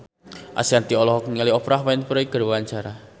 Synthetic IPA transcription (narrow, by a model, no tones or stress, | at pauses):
ʔa̰siant̪iɔlɔɦɔkniŋaliɔpɾaɦmainpəɾɔiɡ̥əɾwwaɲt͡ʃaɾa